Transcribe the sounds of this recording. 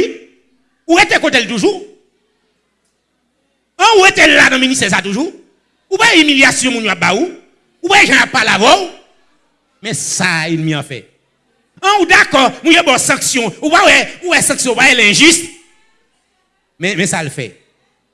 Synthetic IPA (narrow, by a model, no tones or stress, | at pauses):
uɣetekoteltuʒu | ãuɣetellanɐ̃minist̪ɛs̬atuʒu | upajɛimiljasjɔ̃mũnjowap̚baju | upajɛʒãapːaleavãu | mɛ̃sainmĩã̰fɛ̰ | ãudakɔmũnjebɔsɐ̃ksjɔ̃upawɛuwɛsɐ̃ksjɔ̃upajelɛ̃ʒyst̪ | mɛ̃mɛ̃salfɛ̰